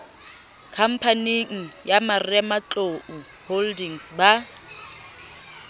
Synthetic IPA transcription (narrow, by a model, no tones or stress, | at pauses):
kʰam̩pʰaniŋ̩jamarɪamat͡ɬʼoʔu | holdiŋsba